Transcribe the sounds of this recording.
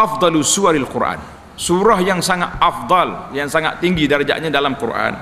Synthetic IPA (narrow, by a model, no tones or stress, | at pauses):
ʔafd̪ˤɑlusuaɾalkurʔa̰n | suɾahjaŋsaŋa̰t̪̚afd̪ˤɑljaŋsaŋa̰t̪ːiŋɡidaɾd͡ʒa̰ʔɲadalamkurʔa̰n